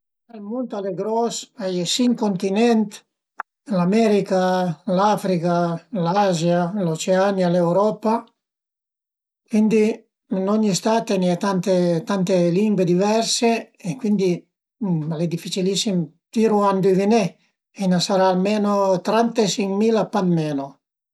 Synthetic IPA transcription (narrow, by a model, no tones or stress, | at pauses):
elmunt̪aleɡɾɔsajesiŋkont̪inɛnt̪ | lamɛɾikalafɾikalazjalot͡ʃeanjalewɾɔpa | kwind̪i | noɲːist̪aːt̪eniɛt̪ant̪et̪ant̪eliŋɡwed̪ivɛɾse | ekwind̪i | led̪ifːit͡ʃilisːim | t̪iɾuand̪ivinɛ | inasaɾaːlmeːnot̪ɾant̪esiŋmiːlapanmeːno